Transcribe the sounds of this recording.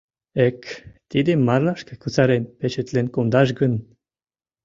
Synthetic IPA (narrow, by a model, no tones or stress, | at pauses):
ekt̪id̪emaɾlaʃkəkut͡saɾenpet͡ʃet̪lenkond̪aʒɡən